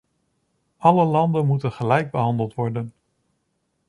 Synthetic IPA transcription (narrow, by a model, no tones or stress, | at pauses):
ʔɑləlɑndənmutənχəlɛjɡ̚bəɦɑndəlˠtʋɔɹdən